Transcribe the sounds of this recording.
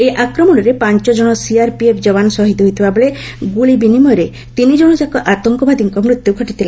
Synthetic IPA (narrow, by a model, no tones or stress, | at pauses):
eʔakɾɔmɔɽ̃ɔɾepaɲt͡ʃɔd͡ʒɔɽ̃ɔsiaɾpiepʰd͡ʒɔbanɔsɔɦit̪ɔɦojt̪ʰibabeɭe | ɡuɭibinimɔjɾe | t̪inid͡ʒɔɽ̃ɔd͡ʒakɔʔat̪ɔŋkɔbad̪iŋkɔmɾut̪jukʰɔʈit̪ʰila